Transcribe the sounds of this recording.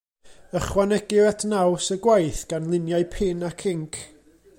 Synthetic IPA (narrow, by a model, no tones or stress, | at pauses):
əχwanɛɡɪɾɛtʰnawsəɡwajθɡ̥anlˠɪnjaɨpʰɪnakʰɪŋkʰ